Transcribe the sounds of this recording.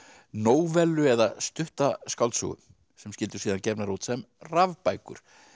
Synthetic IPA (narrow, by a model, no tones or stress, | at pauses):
noːwvɛlːʏɛðast̪ʏht̪askawlt̪sṵɣʏ̰ | sɛmscɪlt̪ʏsiːðancɛɾpnaɾuːt̪sɛmravpajkʏ̰ɾ̥